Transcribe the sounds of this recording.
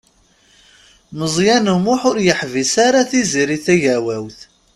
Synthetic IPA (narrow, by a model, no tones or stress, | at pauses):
məzˤjænəmʊħʊɾjəħvisaɾaθiziɾiθæʝæwæwθ